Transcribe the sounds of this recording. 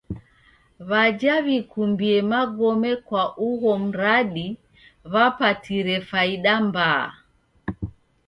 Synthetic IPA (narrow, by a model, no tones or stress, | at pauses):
βad͡ʒaβikumbiɛmaɡɔmɛkwaʔuɣɔm̩ɾaɗi | βapatiɾɛfaiɗamba̰ː